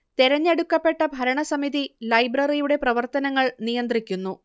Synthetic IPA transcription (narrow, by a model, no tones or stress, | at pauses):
t̪iɾɐɲːeɽukːɐpːe̞ʈːɐbʱɐɾɐɳɐsɐmiðilɐjbrɐrijuɽe̞prɐʋɐrt̪ɐnɐŋːɐɭnijɐnd̪rikʲːunːu